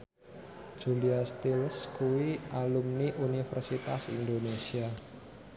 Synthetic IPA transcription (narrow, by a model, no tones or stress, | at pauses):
d͡ʒ̥uliast̪ilskuwiʔalumniʔunifɛrsit̪asḭnd̪onesia